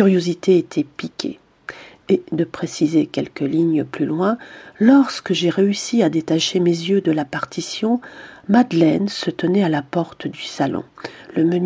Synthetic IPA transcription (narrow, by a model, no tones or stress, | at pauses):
yʁjozit̪ʰeet̪ʰɛpikʲʰḛ | ed̪əpχesizekʲɛlkəliɲəplylwɛ̃lɔʁskəʒeʁeysiad̪et̪aʃemezjød̪əlapaʁt̪ʰisjɔ̃mad̪lɛnsət̪ənɛalapɔʁt̪d̪ysalɔ̰̃ləmən